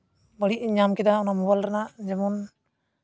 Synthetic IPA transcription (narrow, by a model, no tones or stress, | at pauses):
bəɽiʔ̚ɲamkɛd̪aɔnamɔbalɾanaʔd͡ʒɛmɔn